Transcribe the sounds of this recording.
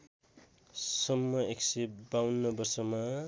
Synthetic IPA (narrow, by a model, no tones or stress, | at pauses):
sʌmːʌeksebawnːʌbʌrsʌma